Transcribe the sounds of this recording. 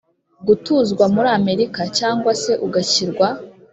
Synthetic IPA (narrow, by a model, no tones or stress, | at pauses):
ɡutuːzɡwamuɾaːme̞ɾikacaːŋɡwase̞ʔuɡaciɾɡwa